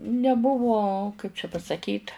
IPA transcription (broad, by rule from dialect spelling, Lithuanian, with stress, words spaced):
nʲɛˈbʊʋoː ˈkɐɪp t͡ʃʲɛ pɐsɐˈkʲiːt